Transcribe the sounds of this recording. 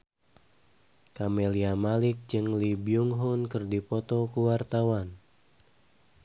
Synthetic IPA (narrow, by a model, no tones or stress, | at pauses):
kameliamalik̚d͡ʒɨŋlibiuŋɦunkɨrdipɔt̪ɔkuwart̪awan